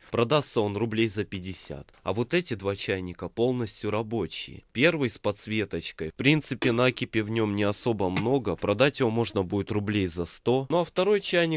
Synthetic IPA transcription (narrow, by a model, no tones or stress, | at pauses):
pɾɐd̪ast̪səo̞nrʊblʲejzəpʲɪdʲɪsʲa̰t̪ɐ̰vo̞t̪ɛtʲɪd̪vat͡ɕæjnʲɪkəpo̞lˠnəsʲtʲjʊɾɐbo̞t͡ɕɪ̰jɪ̰pʲe̞rvɨjspɐt̪svʲe̞t̪ət͡ɕkəjfpɾʲint̪sɨpʲɪnakʲɪpʲɪvnʲo̞mnʲɪɐso̞bəmno̞ɡəpɾɐd̪atʲjɪvo̞mo̞ʐnəbudʲɪt̪rʊblʲejzɐst̪o̞noɐft̪ɐɾo̞jt͡ɕæjnʲɪ